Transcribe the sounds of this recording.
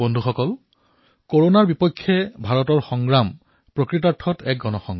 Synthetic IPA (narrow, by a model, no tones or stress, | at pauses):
bɔndʱuxɔkɔl | koɹonaɹbipɔkʰːjɛbʱaɹɔtɔɹxɔŋɡɹam | pɹokɹit̬aɹtʰːɔtʰɛk̚ɡɔnɔxɔŋɡ